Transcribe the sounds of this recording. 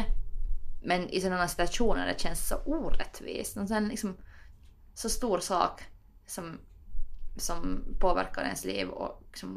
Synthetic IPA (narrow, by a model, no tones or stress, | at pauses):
mɛnʔɪ̰sɔnːɑnːasɪ̥t̪ʉɑʂuːnə̰ɾɛ̰ɕɛnsːɔʔuːɾɛt̪ʰʋḭːsmɛnsɔɛnlɪksɔm | sɔst̪uːɾsɑ̰ːk | sɔm | sɔmpʰoːʋæ̰ɾkɑɾɪ̰hɛ̰nslḭːʋɔ̰ksɔm